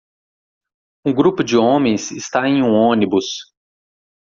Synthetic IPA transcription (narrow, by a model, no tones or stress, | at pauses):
ũɡɾupʊd͡ʒɪõmẽj̃sɪst̪aẽj̃ũõnibʊs